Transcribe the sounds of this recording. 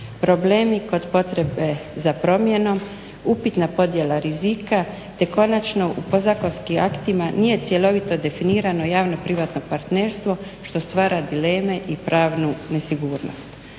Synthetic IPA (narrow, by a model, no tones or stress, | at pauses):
pɾo̞ble̞ːmiko̞d̪po̞t̪ɾe̞be̞zapɾo̞mje̞no̞m | upit̪napo̞d̪je̞lˠaɾizika | t̪e̞ko̞nat͡ʃno̞ʔupo̞zakonskimʔakt̪imanije̞t̪sje̞lo̞ʋit̪o̞d̪e̞finiːɾano̞jaːʋno̞pɾiʋat̪no̞paɾt̪ne̞ːɾst̪ʋo̞ | ʃt̪o̞st̪ʋaːɾad̪ile̞ːme̞ʔipɾaːʋnune̞siɡuːɾno̞̰st̪